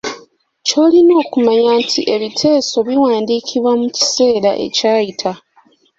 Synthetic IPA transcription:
co̞ːlino̞ːkumaɲaːntʰiʔe̞βitʰe̞ːso̞βiwaːndiːkʰiβwamuci̥se̞ːɾaʔe̞̰caːjitʰa

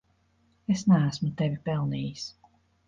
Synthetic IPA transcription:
esnææsmut̪evʲipɛlˠniːjis

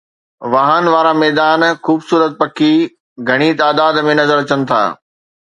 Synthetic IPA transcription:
ʋaːɦənʋaːɾamɛːd̪aːnxuːbsuːɾət̪̚pɐkʰi | ɡʱɐɽ̃it̪aːd̪aːd̪mẽnɐzəɾɐt͡ɕənɪ̆t̪ʰa̰ː

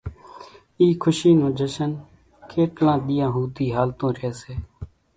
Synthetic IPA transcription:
iːkʰʊʃiːnõːd͡ʒəʃən | kʰeːʈlãːɗ̪ɪjãːɦuːt̪iːɦaːlt̪õːɾeːseː

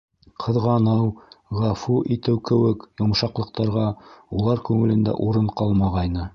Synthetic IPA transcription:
qʰɤ̆ðʁɑnɤwʁɑfuʔit̪ɘwkɘ̆wɘkjŏmʃɑqlˠɤ̆q̚t̪ɑɾʁɑulˠɑɾkʉŋɘ̆lɘ̆nd̪æ̰ʔuɾɤɴqɑlˠmɑʁɑjnɤ

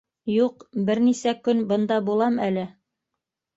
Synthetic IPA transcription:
juqbɘɾnisækɵnbɤ̆nd̪ɑbulˠɑmælɘ

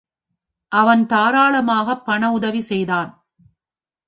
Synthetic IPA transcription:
ʔɐʋɐnt̪aːɾaːɭɐmaːɣɐpːɐɳɐʊðɐʋisɛjðaːn

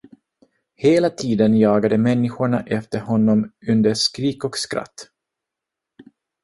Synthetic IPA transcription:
heːlat̪ʰiːd̪ənjɑːɡad̪əmɛnːɪɧʊɳaʔɛft̪əɾhɔnːɔmɵnd̪əɾʂkɾiːkɔkskɾa̰t̪ː

